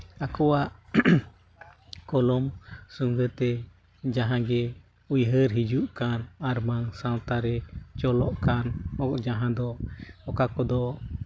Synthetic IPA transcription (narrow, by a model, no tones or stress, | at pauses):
akɔwaʔ | kɔlɔmsuŋɡət̪ɛ | d͡ʒaɦãɡɛ | ujɦəɾɦid͡ʒuʔkanaɾmaŋsãw̃t̪aɾɛt͡ʃɔlɔʔkanɔk̚d͡ʒaɦãd̪ɔɔkakɔd̪ɔ